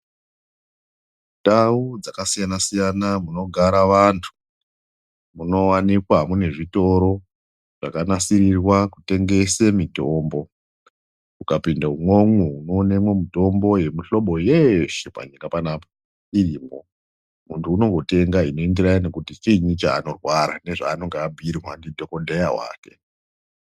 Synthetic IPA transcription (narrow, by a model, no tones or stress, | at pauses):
taud͡zakasijanasijanamuno̞ɡʱaɾaʋantʰu̥ | muno̞wanikwamune̞ʐito̞ɾo̞ | ʐ̥a̰kanasirirwakute̞ŋɡe̞semitoːmbo̞ | ukapindaumwo̞ŋuuno̞nemwe̞mito̞mbo̞je̞miɬo̞ɓo̞jeʃepa̰ɲikapanaːpo | iriːmbo̞ | muntʰuːno̞ŋɡo̞te̞ŋɡaino̞endiɾajine̞kutit͡ʃiɲit͡ʃa̰ːno̞rwaɾa̰neʐa̰ːno̞ŋɡeabʱirwandidʱo̞ko̞dʱejaɦwa̰ːke̞